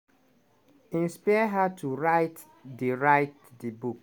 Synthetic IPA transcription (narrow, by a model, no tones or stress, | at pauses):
ĩnspajɦatʰuɹaɪt | deɹaɪt̚ | dibuk